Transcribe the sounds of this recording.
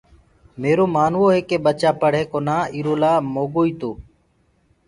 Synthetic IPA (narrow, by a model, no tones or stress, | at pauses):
meːɾoːmaːnʋoːɦeːkeːɓət͡ʃaːpəɽ̤ɦẽːkoːnaːiːɾoːlaːmoːɠoːiːt̪oː